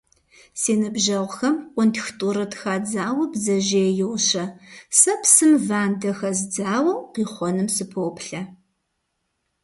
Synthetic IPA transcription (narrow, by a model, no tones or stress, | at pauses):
seːnɨbʒɐʁʷxɐmqʷʊntʰxtʼuːɾɨtʰxaːd͡zaːwɐbzɐʒeːjɪwɕɐsɐpsɨmvaːndɐxɐzd͡zaːwɐqiːχʷɔnɨmsɨpʰoːpɬɐ